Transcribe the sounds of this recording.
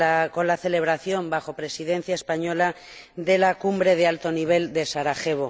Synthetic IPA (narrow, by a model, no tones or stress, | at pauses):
ko̞nlaθe̞le̞β̞ɾaθjo̞mbaxo̞pɾe̞siðẽ̞n̟θjaespaɲo̞la | ðe̞lakumbɾe̞ðealt̪o̞niβ̞e̞ld̪e̞saɾaxe̞β̞o